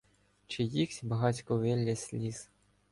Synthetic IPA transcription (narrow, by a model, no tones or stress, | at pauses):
t͡ʃɪjixsʲbɐɦɑt͡sʲkɔʋɛlʲːɐsʲlʲis